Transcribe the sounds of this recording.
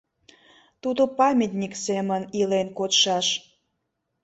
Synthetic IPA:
t̪ud̪opɑmʲit̪nʲiksemənilenkotʃɑʃ

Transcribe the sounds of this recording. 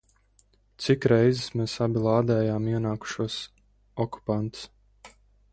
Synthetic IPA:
t̪sikɾɛjzismeːsabilˠaːd̪ɛːjaːmiɛnaːku̥ʃuɔs | ɔku̥pant̪s

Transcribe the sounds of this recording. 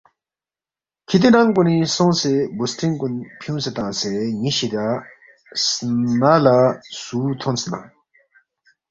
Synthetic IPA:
kʰit̪inaŋkunisɔŋsebustinkunpʰjuŋset̪aseɲiɕit̪a | snalasut̪ʰonsena̰ŋ

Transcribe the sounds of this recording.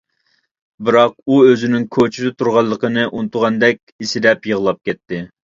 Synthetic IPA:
bɨɾɑq̚uøzɪnɪŋkʰot͡ʃʰid̪ɪt̪ʰuɾʁɑlˠːəqənɨʔunɨt̪ʰʊʁɑnd̪ɛkʲisɪd̪ɛpjəʁlˠɑp̚kʲɛt̪ʰːɪ

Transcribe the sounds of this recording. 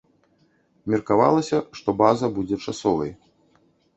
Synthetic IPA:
mʲɛrkava̰lˠɐsʲɐʂt̪ɔbazɐbud͡zʲɛt͡ʂasɔvɐj

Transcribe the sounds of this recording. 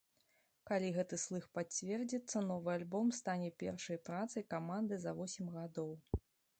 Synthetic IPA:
kalʲiɣɛt̪ɨslˠɨxpat͡sʲvʲɛrd͡zʲit̪sːɐnɔvɨalʲbɔmst̪anʲɛpʲɛrʂɐjpɾat̪sɐjkamand̪ɨzɐvɔsʲimʲɣad̪ɔw

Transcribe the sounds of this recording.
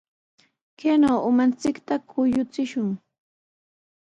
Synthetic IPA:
keːnowʊmant͡sɪkt̪akʰʊjʊt͡sɪʃʊŋ

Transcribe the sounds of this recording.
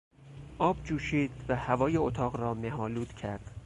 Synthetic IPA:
ʔɒːbd͡ʒuːʃiːd̪̥væhævɒːjeot̪ʰɒːɣɾɒːmeɦɒːluːd̪̥cʰæɾd̪̥

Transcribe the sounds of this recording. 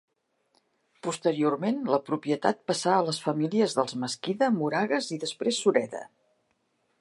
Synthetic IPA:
pust̪əɾiormenləpɾupiət̪a̰t̪̚pəsaələsfəmiliəzðəlˠzməskiðəmuɾaɣəziðəspɾesːuɾɛðə̰

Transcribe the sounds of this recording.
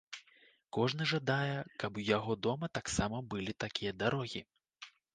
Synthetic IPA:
kɔʐn̪ɨʐad̪ajɛkɐpwjaɣɔd̪ɔmɐt̪aksamɐbɨlʲit̪akʲijɐd̪aɾɔɣʲi

